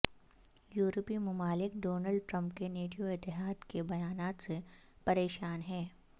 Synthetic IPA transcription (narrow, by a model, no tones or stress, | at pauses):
juːɾpimʊmaːlɪkɖoːnəlɖ̚ʈɾə̃mpkeneːʈijoɪt̪ːɪɦaːd̪kebɐjaːnaːt̪se | pɐɾeːʃaːnɦɛ̃ː